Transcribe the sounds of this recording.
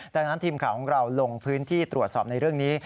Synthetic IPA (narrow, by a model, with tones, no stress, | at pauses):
daː˧ŋna˦˥nt̪ʰiː˧mkʰaː˨˩˦wkʰɔ˩˦ŋɾa˧wlo˧ŋpʰɯː˦˥nt̪ʰiː˥˩t̪ɾu˨˩ət̪̚sɔ̰ː˨˩p̚na˧jɾɯ˥˩əŋniː˦˥